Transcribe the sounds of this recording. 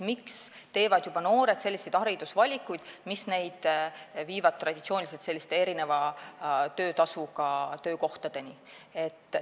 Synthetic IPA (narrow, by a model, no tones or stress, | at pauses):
mikst̪e̞ːvɑd̪̥jub̥ɑno̞ːɾe̞d̪̥se̞lʲːise̞jd̪̥ɑɾid̪̥usvɑlʲikːˑujd̪̥misne̞jd̪̥viːvɑd̪̚t̪rɑd̥̪ʲit̪sio̞ːnʲilise̞lt̪se̞lʲːist̪e̞e̞ɾine̞vɑ | t̪ø̞ːt̪ɑsukɑt̪ø̞ːko̞ht̪ɑd̪̥e̞ni | e̞t̪ːˑ